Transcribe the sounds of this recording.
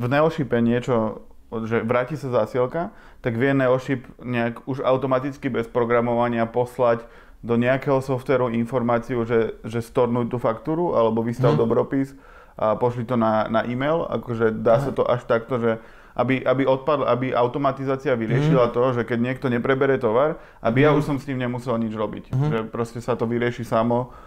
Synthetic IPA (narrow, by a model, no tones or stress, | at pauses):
vnɛɔʃipɛɲɪɛt͡ʃɔ | ʒɛʋɾaːcisazasilka | t̪aɡʋɪɛnɛɔʃipɲɛakuʒa̰ʊt̪ɔmat̪it͡skibɛspɾɔɡɾamɔʋaɲɪapɔslac | d̪ɔɲɛakɛɦɔsɔft̪ʋɛɾuinfɔɾmaːt͡siuʒɛʒɛst̪ɔɾnuːc̚t̪uːfakt̪uːɾuʔalɛbɔʋist̪aʊd̪ɔbɾɔpis | ʔapɔʃlit̪ɔnanaʔimɛjla̰kɔʒɛd̪aːsat̪ɔʔaʃt̪akt̪ɔʒɛ | ʔabiʔabiɔt̪̚pad̪lʔabiʔa̰ʊt̪ɔmat̪izaːt͡siaʋiɾɪɛʃilat̪ɔʒɛkɛɟɲɪɛkt̪ɔɲɛpɾɛbɛɾɛt̪ɔʋaɾ | ʔabijauʃsɔmst̪iːmɲɛmusɛlɲid͡ʒɾɔbḭcʒɛpɾɔscɛsat̪ɔʋiɾɪɛʃisamɔ